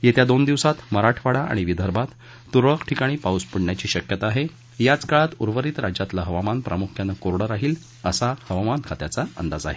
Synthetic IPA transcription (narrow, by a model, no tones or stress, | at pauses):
jet̪jad̪ond̪iʋsat̪məɾaʈʰʋaɽaʔa̰ɽ̃iʋid̪ʱəɾbat̪ː | uɾɭəkʈʰikaɽ̃iːpauspəɽɳjat͡ɕiːɕəkjət̪aːɦe | jat͡skaɭat̪uɾʋəɾiːt̪ɾad͡ʑjat̪laɦəʋamanpɾʔa̰mukʰjanəkoɾɽəɾaɦiːl | əsahəʋamankʰat̪jat͡saə̰nd̪ad͡za̰ɦe